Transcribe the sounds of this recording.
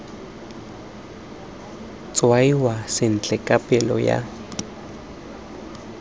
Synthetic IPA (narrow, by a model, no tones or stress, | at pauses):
t͡sʼwaiwasɪn̩t͡ɬʼɛkʼapʼɛlɔ̰ja̰